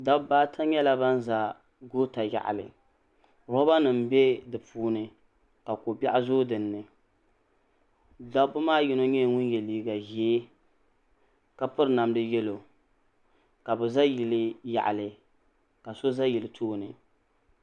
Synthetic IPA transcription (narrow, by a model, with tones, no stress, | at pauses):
da˦bbaː˦tʰa˦ɲɛ˦la˦ba˦n˦za˨ | ɡo˦ta˨ja̰˨ʔa̰˨lɨ̰˨ | ɾɔ˦ba˦nɨ˨m˦bɛ˦dɨ˨puː˦nɨ˨ | ka˨ko˨bɛ˦ʔa˦zoː˦dɨ˨nːɨ˨ | da˦bʊ˦maː˦jɪ˦no˦ɲɛ˦˨ŋʊ˦njɛ˨liː˦ɡa˨ʒɛ˦ | ka˨pɨ˦ɾna˨mdɨ˦jɛ˦lo˨ | ka˨bɨ˨za˦ji˨lɨ˦ja̰˨ʔa˨lɨ˨ | ka˨so˦za˦ji˨lɨ˨tʰoː˦nɨ˨